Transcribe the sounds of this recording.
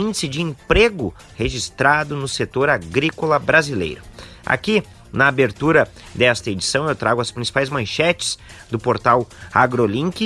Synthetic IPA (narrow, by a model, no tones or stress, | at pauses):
ĩndd͡ʒɪsɪd͡ʒɪẽpɾeɡʊ | heʒist̪ɾad̪ʊnʊset̪oɾaɡɾikolɐbɾazilḛjɾʊa̰ki | nɐabeɾt̪uɾɐ | d̪ɛst̪ɐed͡ʒisɐ̃w̃ewt̪ɾaɡʊɐspɾĩsi̥pajzmɐ̃ʃɛt͡ʃɪ̥s | d̪ʊpoɾt̪awaɡɾolĩŋkɪ